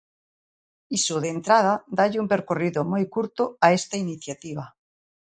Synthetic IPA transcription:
isoðent̪ɾað̞ad̪aʎɪumpeɾkoriðomojkuɾt̪oaest̪ainiθjat̪iβ̞a

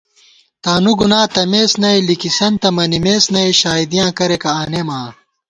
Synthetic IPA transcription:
t̪aːnuɡunãːt̪ɐmeːsnɐjlikisɐnt̪ɐmɐnimeːsnɐiɕaːid̪ijãːkɐɾekɐaːnemãː

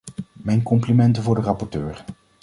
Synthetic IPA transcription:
mɛjnkɔmplimɛntəvʊːɹdərɑpɔɹtøːɹ

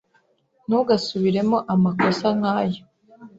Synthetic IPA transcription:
nuɡasuβiɾe̞mo̞ʔamako̞saŋaːjo

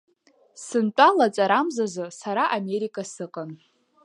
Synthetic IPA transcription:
sɨnt͡pʼalat͡sʼaɾamzazɨsaɾaʔame̞ɾikʼasɨqʼan

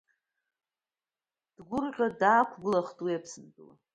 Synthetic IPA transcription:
d̥ɡʷʊrqʲʷʼadaːkʷʰɡʷɨlaχtʼuepʰsɨndʼɨwa̰

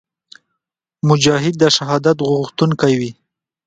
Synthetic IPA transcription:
mʊd͡ʒɑɦɪd̪̚ːəʃaɦɑd̪at̪ɣʊɣxt̪uŋkajwi

